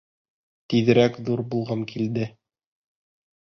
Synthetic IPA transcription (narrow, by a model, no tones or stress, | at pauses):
t̪iðɘ̆ɾækðuɾbulˠʁɑŋkʰild̪ɘ